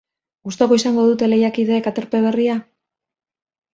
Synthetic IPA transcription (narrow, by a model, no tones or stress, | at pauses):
ɡust̪oɣo̞isaŋɡo̞ð̞ut̪e̞le̞jakiðe̞ːkat̪e̞ɾpe̞β̞e̞ria